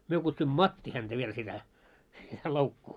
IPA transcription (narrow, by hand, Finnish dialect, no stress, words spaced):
myø kutsuimˑŏ mɑtːi hæntæ ʋiel sitæ loukːuː